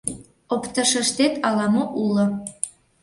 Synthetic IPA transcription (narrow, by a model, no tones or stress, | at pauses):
opt̪ɤ̆ʃə̆ʃt̪et̪ʰɑlˠɑmɤʔulɤ̆